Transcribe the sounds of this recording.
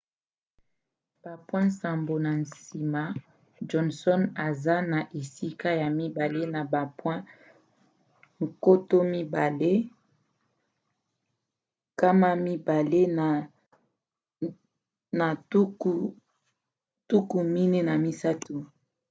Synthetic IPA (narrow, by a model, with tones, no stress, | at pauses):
b̥a˨pwɛ̃˦nsa˨mbo˨na˨n˨si˨ma˨ | d͡ʒɔ˨˦nsɔ˦na˨za˦na˨ʔe˨si˦ka˦ja˨mi˦ba˨le˦na˨ba˨pwɛ̃˦ | ŋ̩˨ko˦to˦mi˦ba˨le˦ | ka˦ma˦mi˦ba˨le˦˨ | na˨˦˨ | tu˦ku˨mi˦ne˦na˨mi˦sa˦tu˨